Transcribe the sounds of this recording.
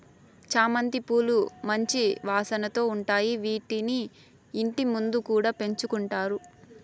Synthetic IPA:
t͡ʃaːmɐnt̪ipuːlumɐɲt͡ʃiʋaːsɐnɐt̪o̞ːuɳʈaːjiʋiːʈiniː | ɳʈimund̪ukuːɽaːpe̞ɲt͡ʃukuɳʈaːɾu

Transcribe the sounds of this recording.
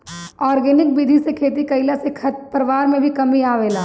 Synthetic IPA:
ɔːɾɡeːnɪk̚bid̪ʱisekʰeːt̪̬ikɐɪlasekʰɐpəɾʋaːɾmẽbʱikɐmiaːʋeːlaː

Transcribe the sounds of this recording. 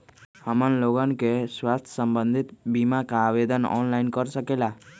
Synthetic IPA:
hamanloɡɔnkeswast̪ʰjsəmbənd̪ʱit̪bimakaːbed̪ɔnɔ̰nlajnkɔɾsəkela

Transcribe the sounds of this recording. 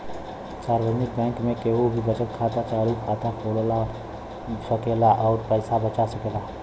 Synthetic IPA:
saːɾʋəd͡ʒnɪk̚bɛ̃ːŋkmẽkeɦubʱibət͡ʃət̪̚kʰaːt̪at͡ʃaːɽikʰaːt̪akʰoːɽla | səkeːlaʔɔːɾpəɪsabət͡ʃasəkeːlaː

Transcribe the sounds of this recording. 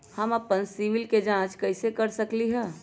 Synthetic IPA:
həməpənsiʋɪlked͡ʒãːt͡ʃkəɪsekəɾsəkliɦɛ̃ː

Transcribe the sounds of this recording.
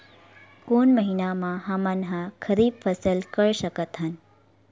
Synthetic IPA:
konməɦinamãɦamənɦãkʰəɾib̚fʰəsəlkəɭʃəkət̪ɦən

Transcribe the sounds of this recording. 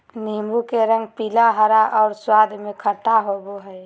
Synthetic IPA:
nimbukeɾə̃ŋɡ̚pilaɦəɾaʔɔʊɾswad̪ʱmẽkʰəʈaɦoboɦəj

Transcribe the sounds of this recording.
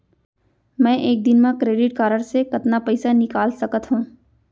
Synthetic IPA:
mɛ̃ːʔeːk̚d̪ɪnmẽkɾeːɖɪʈ̚kaːɾəɽsekɐt̪napɛɪsanɪkaːlsɐkət̪ɦũː

